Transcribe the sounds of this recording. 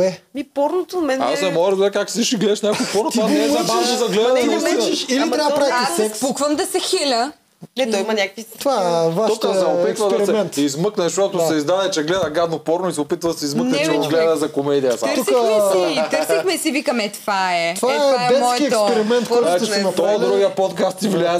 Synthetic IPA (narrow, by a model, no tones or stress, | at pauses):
ɛmipɔɾnot̪omɛna̰snɛmɔʒid̪ʊbɾɛkaksd̪iʃiɡlɛd̪ʃnʲakoopɔɾnot̪vaɛabɛzɐɡlɛd̪ɐnɛɛɛɛʃilit̪ɾʲapɾaassɛpukvəmd̪ɐsɛxilʲə | nɛt̪ɔimɐnʲakəkvit̪vavaʃɔkəsɛopit̪vɐd̪ɐsɛɛnizmɤknɛzɐʃt̪ɔt̪ʊsɛizd̪ad̪ɛt͡ʃɛɡlɛd̪ɐɡad̪nopɔɾnʊisɛopit̪vɐd̪ɐsɛizməknɛt͡ʃɛɡoɡlɛdd̪ɐzɐkomɛd̪ijɐsaɾsɛit̪əɾsixmɛsivikɐmɛt̪faɛvaɛaɛmɔjɛt̪spɛɾimɛnt̪kɔt̪ɔd̪ɾuɡiəpɔt̪kast̪ivlʲaɛ